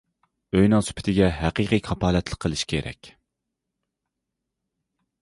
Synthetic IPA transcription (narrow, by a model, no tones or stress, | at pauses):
øjnɨŋsy̥pʰɪ̥t̪ʰɪɡʲɛɦæqiqʰijkʰɑpʰɑːlɛt̪lˠəqʰːəlˠɨʃkʲʰeɾɛ̰kʲ